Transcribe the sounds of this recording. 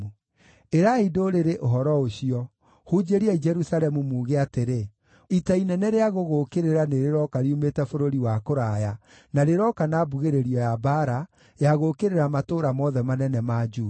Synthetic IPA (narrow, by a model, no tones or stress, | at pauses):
u | eɾaidoɾeɾeʔoɦɔɾɔoɕiɔ | hud͡ʒeɾiɛid͡ʒɛɾusaɾɛmumuːɣeateɾe | itainɛnɛɾeaɣoɣokeɾeɾaneɾeɾɔkaɾiumetɛfoɾoɾiwakoɾaja | naɾeɾɔkanaːbuɣeɾeɾiɔjabaɾa | jaɣokeɾeɾamatoɾamɔðɛmanɛnɛmad͡ʒuː